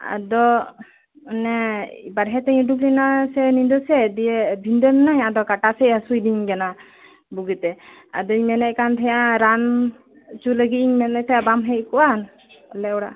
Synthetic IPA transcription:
a̰d̪ɔ | nɛbaɾɦɛt̪ɛɲuduklinasɛnind̪ɔsɛd̪ijɛbʱind̪ɔnnaɲad̪ɔkaʈasɛʔasujdiɲɡana | buɡɛt̪ɛ | a̰d̪ɔiɲmɛnɛʔkant̪ʰɛjaɾan | t͡ʃuləɡit̪̚iɲmɛnɛt̪ɛbamɦɛʔkɔwan | ɔlɛɔɽa̰ʔ

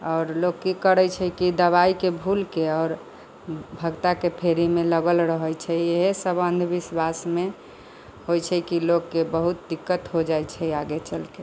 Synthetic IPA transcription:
ɔːɾlokːikəɾət͡ʃʰɛkid̪əβaikebʱulkeɔːɾ | bʱəɡt̪akepʰeɾimeləɡəlɾəɦəjt͡ʃʰɛeɦesəbənd̪ʱbiswasme | hojt͡ʃʰɛkilokːebəɦut̪̚d̪ikːət̪ɦod͡ʒajt͡ʃʰɛaɡet͡ʃəlke

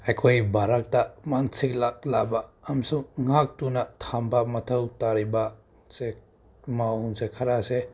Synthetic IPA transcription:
ajkʰojbʱaɾak̚tamansiklalabaːmsuŋŋak̚tunɐtʰambɐmɐtʰɐwtaɾiba | se | mawnsekʰɐɾase

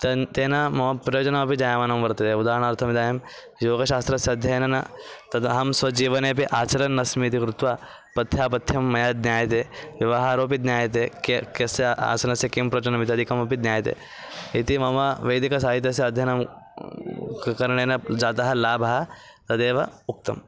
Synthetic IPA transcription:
t̪ɐt̪eːnɐmɐmɐpɾɐjoːd͡ʒɐnɐmɐpid͡ʒaːjaːmaːnɐmʋɐɾt̪ɐt̪eːud̪aːɾɐɳaːɾt̪ʰɐmid̪aːjɐm | joːɡɐʃaːst̪ɾɐsjɐɐd̪ʱjɐjɐnɐnɐt̪ɐt̪ɐɦɐmsʋɐd͡ʒiːʋɐneːpiʔaːt͡ʃɐɾɐnːɐsmit̪ikɾut̪ʋaː | pɐt̪ʰjaːpɐt̪ʰjɐmːɐjaːd̪njaːjɐt̪eːʋjɐʋɐɦaːɾoːp̬id̪njaːjɐt̪eːkekɐsɐa̰ːsɐnɐsjɐkimpɾɐt͡ʃɐnɐmit̪iɐd̪ʱikɐmɐpid̪njaːjɐt̪ḛː | it̪imɐʋɐʋɐjd̪ikɐsaːɦit̪jɐs̬jɐɐd̪ʱjɐnɐm | kkɐɾɐɳeːnɐd͡ʒaːt̪ɐɦɐlaːbʱɐɦɐ | t̪ɐd̪eːʋɐuk̚t̪ɐ̰m

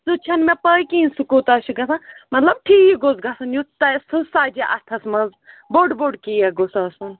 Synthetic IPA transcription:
sut͡ʃʰɐnmẽpɐikĩːnsukoːt̪ɐʃʰiɡɐsãmɐt̪lɐb̚ʈʰiːiɡozɡɐsɐnjut̪ɐsusaːd͡ʒeʔɐt̪ʰɐsmɐ̃z | boːɖboːɖkiːjɐɡosɐsɐn

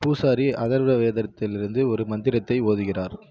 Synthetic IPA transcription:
puːsaːɾiʔɐðɐɾʋɐʋeːðɐɾɐt̪ːɪlɪɾɯnd̪ɯɔɾɯmɐnd̪ɪɾɐt̪ːɐɪoːðɯɣɪraːɾ

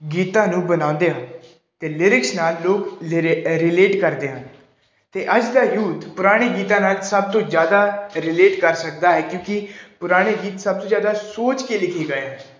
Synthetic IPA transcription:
ɡiːt̪ãːnũːbənãːʊ̃nd̪eːɦən | t̪eːlɪɾɪksnaːlːoːk | ɾɪleːʈkəɾd̪eːɦən | t̪eːʔəd͡ʒd̪aːjuːt̪pʊɾaːɽ̃eːɡiːt̪ãːnaːlsəb̚t̪õːzjaːd̪aːɾɪleːʈkəɾsəkd̪aːɦɛːkjõːkɪpʊɾaːɽ̃eːɡiːt̪səb̚t̪õːzjaːd̪aːsoːt͡ʃkeːlɪkʰeːɡaːaː

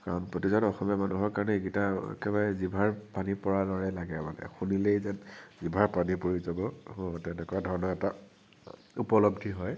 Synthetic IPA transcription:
kaɹɔnpɹotizadɔxɔmijamanuɦɔɹkaɹɔnɛikitaɛ̰kɛbaɹɛzibʱaɹpanipɔɹalɔɹɛlaɡɛma̰nɛ̰xunilejzɛnzibʱaɹpanipoɹizɔbɔtɛnɛkɔjadʱɔɹnɔɛta | upɔlɔbdʱiɦɔj

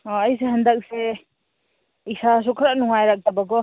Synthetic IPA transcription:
ɔəjseɦɐndak̚se | isas̬ɔkʰɾanɔŋajɾak̚tabaɡɔ

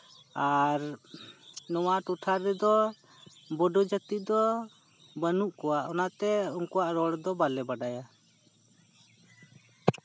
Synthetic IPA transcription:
aɾ | nɔwaʔʈuʈʰaɾɛd̪ɔ | bɔɖɔd͡ʒək̚t̪id̪ɔ | bənuʔkɔwaʔɔnaʔt̪ɛɔŋkɔwaʔɾɔɽd̪ɔbalɛbaɖaja

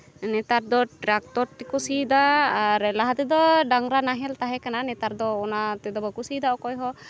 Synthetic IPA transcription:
nɛt̪aɾd̪ɔʈɾak̚t̪ɔɾt̪ikusid̪aaɾlaɦat̪ɛd̪ɔɖaŋɾanaɦɛlt̪aɦɛkananɛt̪aɾd̪ɔːnat̪ɛd̪ɔbəkusid̪aɔkɔjɦɔ

